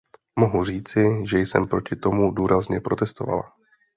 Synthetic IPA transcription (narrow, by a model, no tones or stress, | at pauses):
mo̞ɦur̝iːt͡sɪʒɛjsɛ̰mpɾo̞cɪt̪o̞muduːɾʔazɲɛpɾo̞t̪ɛst̪o̞va̰la̰